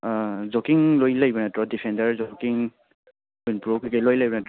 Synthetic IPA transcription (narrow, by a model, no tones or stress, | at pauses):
zokiŋlojlajbanatɾɔdipʰendəɾzokiŋ | unpuɾokʰɯkalojlajbɔnatɔ